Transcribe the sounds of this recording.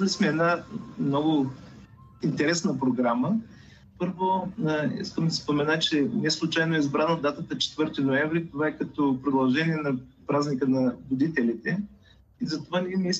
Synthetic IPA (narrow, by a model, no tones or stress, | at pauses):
lismɛɛd̪namnɔɡʊ | int̪ɛɾɛsnəpɾoɡɾamə | pɤɾvoḭskəmd̪ɐspomɛnat͡ʃɛnɛslˠʊt͡ʃajnoɛizbɾanod̪at̪ət̪ət͡ʃɛ̥t̪vɤɾt̪inoɛvɾit̪ovaɛkɐt̪ɔpɾod̪ɐlˠʒɛniɛnɐpɾaznikənɐvod̪it̪ɛlit̪ɛ | izɐt̪ovanɛɛmi